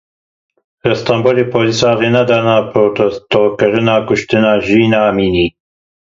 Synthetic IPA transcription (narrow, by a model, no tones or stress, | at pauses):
rɛst̪ɑmbolepʰolisɑːɣenad̪ɑːnɑːpʰɾot̪ɛst̪okɨɾɨnɑːkʊʃt̪ɨnɑːʒiːnamiːniː